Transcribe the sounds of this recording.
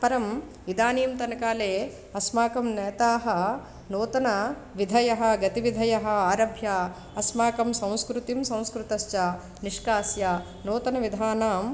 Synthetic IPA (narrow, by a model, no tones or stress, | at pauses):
pɐɾɐm | ʋid̪aːniːmt̪ɐnɐkaːleː | ɐsmaːkɐmnɛːt̪aːɦɐ̆ | noːt̪ɐnɐ | ʋid̪ʱɐjɐɦɐ̆ɡɐt̪iʋid̪ʱɐjɐɦɐ̆aːɾɐbʱjaː | ɐsmaːkɐmsɐ̃w̃skɾut̪imsɐ̃w̃skɾut̪ɐst͡ʃɐ | niʂkaːsja | noːt̪ɐnɐʋid̪ʱaːnaːm